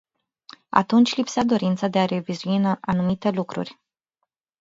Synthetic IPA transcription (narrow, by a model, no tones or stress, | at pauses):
a̰t̪unt͡ʃʲlipsad̪o̞ɾint̪sad̪e̞aɾe̞vizuinʔanumit̪e̞lukɾṵrʲ